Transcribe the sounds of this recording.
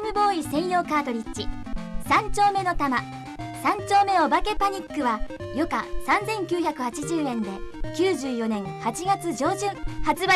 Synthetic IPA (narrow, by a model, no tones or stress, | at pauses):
mɯ̟bo̞ːisẽ̞ɰ̃jo̞ːkaːt̪o̞ɾʲit͡ɕːi | sãɲt͡ɕo̞ːme̞no̞t̪ama | sãɲt͡ɕo̞ːme̞o̞bake̞paɲ̟ikːɯ̟βa | jo̞ka̰sãnd͡zẽ̞ŋkʲɨːçakɯ̟hat͡ɕiʑɨːẽ̞nd̪e̞kʲɨːʑɨːjo̞nẽ̞ŋ̃hat͡ɕiɡat͡sɨd͡ʑo̞ːʑɨ̃hat͡sɨba